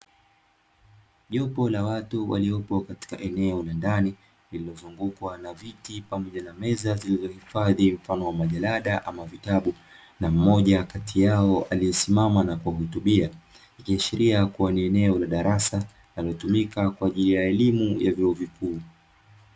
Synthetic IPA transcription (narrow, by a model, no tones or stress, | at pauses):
ʄɔpɔlawatuwʔa̰liɔpɔkati̥kaʔɛnɛɔlandani | lililɔzuŋɡukwanavitipamɔʄanamɛzazilizɔhifaðim̩fanɔwamaʄalaɗaʔamavitaɓu | nam̩mɔʄakatʰijaɔʔaliɛsimamanakwaɦutuɓia | ikiaʃiɾiakuwaniɛnɛɔlaɗaɾasa | naliɔtumikakwaːʄilijaɛlimujavjɔɔvikʰuː